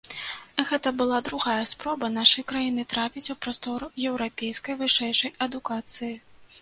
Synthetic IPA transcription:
ɣɛt̪ɐbɨlˠad̪ɾuɣajɐspɾɔbɐnaʂɐjkɾajinɨt̪ɾapʲit͡sʲupɾast̪ɔɾujɛwɾapʲejskɐjvɨʂɛjʂɐjɐd̪ukat̪sɨji

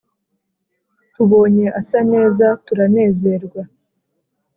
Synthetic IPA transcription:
tuβo̞ːɲe̞ʔasane̞ːzatuɾane̞ːze̞ɾɡwa

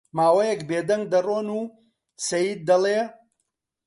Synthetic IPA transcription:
maːwɐjɛkbeːd̪ɐŋɡ̚d̪ɐroːnuː | sɐjiːd̪̚ːɐleː

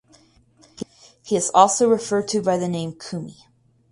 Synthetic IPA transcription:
hiɨzɔlˠsoʊɹɨfɜ˞d̚tʰɨbaɪðɨnẽɪ̃mkʰʉmi

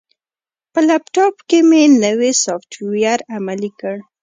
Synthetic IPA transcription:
pəlapʈɑpkemenəwesɑfʈwijaɾamalikəɽ

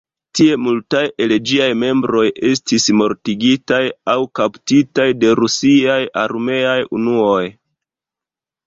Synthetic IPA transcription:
tie̞multaje̞ld͡ʒiajme̞mbɾo̞je̞stismo̞ɾtiɡitajawkaptitajde̞ɾusiajaɾme̞ajṵnuo̞j

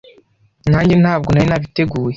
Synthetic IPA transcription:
naːɲɟenhaːb̚ɡonajinaβite̞ɡuːje

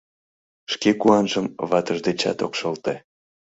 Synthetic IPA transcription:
ʃkekuɑnʒəmβɑt̪əʒd̪et͡ɕɑ̰t̪okʃɤlt̪e

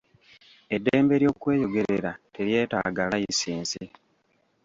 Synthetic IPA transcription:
e̞dːeːmbe̞ɾjo̞ːkwe̞ːjo̞ɡe̞ɾeɾate̞ɾje̞ːta̰ɡalajisiːnsi

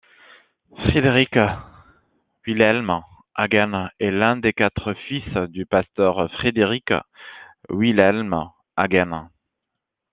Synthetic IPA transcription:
fχed̪eʁik | wilɛlm | a̰ɡɛnɛlɛ̃d̪ekat̪χəfisd̪ypast̪œʁfχed̪eʁik | wilɛlm | aɡɛn

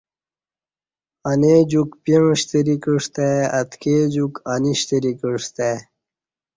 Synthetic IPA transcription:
aned͡ʑukpiɻɕt̪eɾikiʂt̪eat̪ked͡ʑukaniɕt̪eɾikiʂt̪e

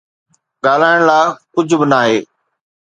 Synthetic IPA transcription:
ɠaːl̤aːɪɽ̃laːkʊd͡ʑʱʊbɪnaːɦeː

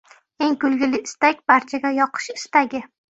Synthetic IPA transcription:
eŋkʊlˠɡʲɪlɪɪst̪akʲbaɾt͡ʃʰaɡʲajɒqʰɨ̥ʃɪst̪aɡʲɪ

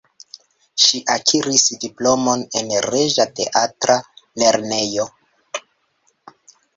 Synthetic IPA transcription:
ʃiʔakʰiɾisdiplo̞mo̞ne̞nɾe̞ʒate̞̰ʔatɾale̞ɾne̞jo̞

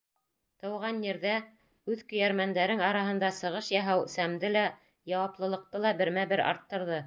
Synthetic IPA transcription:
t̪ɤ̆wʁɑnjɘ̆ɾðæ | ʉðkɵ̆jæɾmænd̪æɾɘŋɑɾɑɦɤ̆nd̪ɑsɤ̆ʁɤʃjɑɦæwsæmd̪ɘlæ | jɑwɑplˠɤ̆lˠɤ̆q̚t̪ɤlˠɑbɘ̆ɾmæbɘɾɑ̰ɾt̪ːɤ̆ɾðɤ

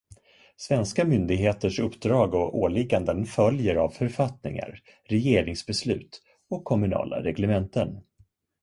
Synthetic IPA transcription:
svɛnskamʏnd̪ɪɡɦeːt̪əʂɵpːd̪ɾɑːɡɔoːɭɪɡand̪ənfœljəɾavfœɾfat̪nɪ̰ŋa̰ɾ | ɾɛjeːɾɪŋsbɛslʉ̟ːt̪ | ɔkʰːɔmɵnɑ̰ːlʔa̰ɾɛɡlɛmɛnt̪ən

